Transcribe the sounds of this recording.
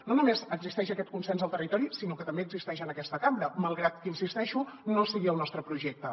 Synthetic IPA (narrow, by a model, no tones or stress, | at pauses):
nonumezəɡzist̪ɛʃəkɛt̪̚kunsɛnzəlˠt̪ərit̪ɔɾisinokət̪əmbeəɡzist̪ɛʃənəkɛst̪əkambɾəməlˠɣɾat̪kinsist̪ɛʃunosəɣiəlˠnɔst̪ɾəpɾuʒɛk̚t̪ə